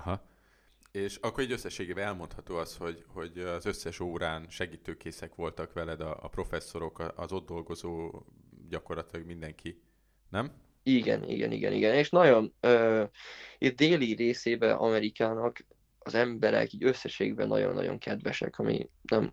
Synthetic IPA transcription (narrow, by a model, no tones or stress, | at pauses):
ɒɦɒ | eːʃɒkːoɾiɟøsːɛʃːeːɡeːbɛɛlmont̪hɒt̪oːɒst̪ho̞ɟho̞ɟɒzøsːɛʃoːɾaːnʃɛɡiːt̪øːkeːsɛkʋo̞lt̪ɒkʋɛlɛd̪ɒːpro̞fɛsːo̞ɾo̞kɒɒzo̞d̪dːo̞lɡo̞zoː | ɟɒko̞rlɒt̪ilɒɡmind̪ɛŋkʰi | nɛm | iɡɛ̰nḭɡɛ̰nḭɡɛ̰nḭɡɛneːʃnɒɟo̞nøː | it̪̚d̪eːliɾeːseːbɛʔɒmɛɾikaːnɒk | ɒzɛmbɛɾɛ̰kiːɟøsːɛʃeːɡbɛnːɒ̰ɟo̞̰nːɒ̰ɟo̞̰ŋkʰɛd̪vɛʃɛ̰kɒmḭnɛm